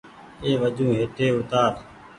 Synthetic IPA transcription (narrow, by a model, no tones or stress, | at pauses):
eːʋəd͡ʒũːɦeːt̪eːʊt̪aːɾ